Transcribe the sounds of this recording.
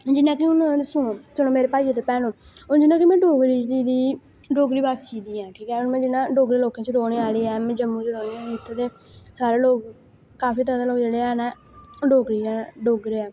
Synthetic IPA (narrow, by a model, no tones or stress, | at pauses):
d͡ʒɪnːãːkɪʊnad̪sʊ̃sənõːmeːɾeːpaːiat̪eːpɛːnõː | ʊnd͡ʒɪnːãːkɪmɛ̃ːɖoːɡɾiːt͡ʃd͡ʒ̪iːd̪iː | ɖoːɡɾiːbaːst͡ʃiːd̪iːãːʈʰiːkɛːʊnmɛ̃ːd͡ʒɪnãːɖoːɡɾeːloːkẽt͡ʃɾoːɳeːaːliːɛːmɛ̃ːd͡ʒəmːũːt͡ʃɾoːneaɪt̪ʰːet̪eː | saːɾeːloːɡ | kaːpʰiːt̪əd̪aloːɡd͡ʒeːɽeːɛːnɛ̃ː | ɖoːɡɾiːɛ̃ːɖoːɡɾeːɛː